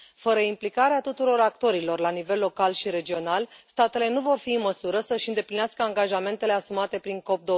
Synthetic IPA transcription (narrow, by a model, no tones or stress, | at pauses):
fəɾəimplikaɾeat̪ut̪uɾo̞ɾakt̪o̞ɾilo̞rlanive̞lːo̞kalʃiɾe̞d͡ʒio̞nalst̪at̪e̞le̞nuvo̞rfiɨnməsuɾəsəɨʃɨnd̪e̞plinaskəaŋɡaʒame̞nt̪e̞le̞asumat̪e̞pɾiŋko̞p̚d̪o